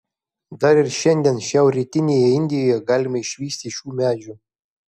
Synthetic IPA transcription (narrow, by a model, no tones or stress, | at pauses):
d̪ɑɾɪrʲʃɛnʲd̪ʲenʃʲɛwrʲet̪ʲinʲejɛinʲd̪ʲɪjojɛɡɑlʲɪmʲeiʃʲʋʲisʲt̪ʲiʃʲumʲæd͡ʒʲu